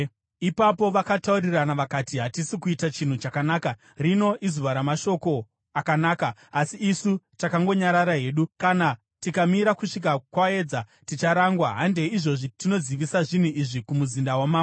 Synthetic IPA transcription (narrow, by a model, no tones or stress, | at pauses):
ipapo̞ʋakatauriranaʋakatiɦatisikuitat͡ʃin̤ut͡ʃakanaːka | rino̞ʔizuʋaɾamaʃo̞ko̞ | akanaːkaːsiːsutakaŋɡo̞ɲaɾaɾaɦe̞ːɗukana | tikamiɾakuʂik̬akwae̞d͡zatit͡ʃaɾaŋɡwaɦande̞iʐo̞ʐitino̞ziʋisaʐin̤uiʐikumuzindawamaːmo